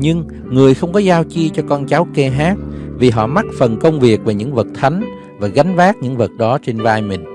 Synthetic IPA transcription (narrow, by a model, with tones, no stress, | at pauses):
ɲɨ˧ŋ | ŋɨ˨˩əjxə˧wŋ͡mkɔ˨˦zaː˧wt͡ɕi˧t͡ɕɔ˧kɔ˧nt͡ɕa˨˦wkɛ˧ɦaː˦˥t̚vi˨˩ɦɔ̰˧˨ma˦˥t̚fə˨˩nkə˧wŋ͡mvi˨˩ək̚ve˨˩ɲɨ̰˧˥ŋvə˨˩t̚t̪ʰa˨˦ŋ̟ | vaː˨˩ɣa˨˦jŋ̟vaː˦˥t̚ɲɨ̰˧˥ŋvə˨˩t̚ɗɔ˨˦t͡ɕe˧nvaː˧jmï˨˩ŋ̟